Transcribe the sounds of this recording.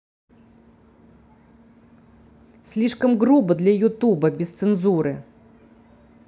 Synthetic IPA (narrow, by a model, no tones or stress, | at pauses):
sʲlʲiʂkɐmɣɾubɐd̪lʲɐjut̪ubɐbʲɪst̪sɨnzuɾɨ̰